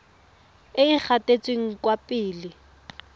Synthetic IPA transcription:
ɪik͡xʰatʼet͡sʼweŋ̩kwapʼɪːlɪ

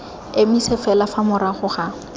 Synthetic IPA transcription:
emisɛfɛlafamʊɾaχʊχa

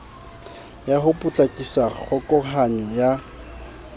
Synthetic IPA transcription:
jahʊpʼʊt͡ɬʼakʼisak͡xʰɔkʼɔχanɪja

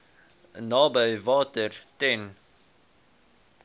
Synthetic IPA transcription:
nɑːbəɥvɑːtərtɛn

